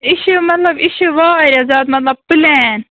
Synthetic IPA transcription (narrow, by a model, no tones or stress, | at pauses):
ɪʃemɐt̪lɐbɪʃeʋaːɾazaːd̪mɐt̪lɐb̚pɨlɛːn